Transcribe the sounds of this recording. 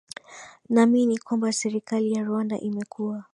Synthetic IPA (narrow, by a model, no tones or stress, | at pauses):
naminikwambasɛɾikalijaɾwanda̰ʔimɛkua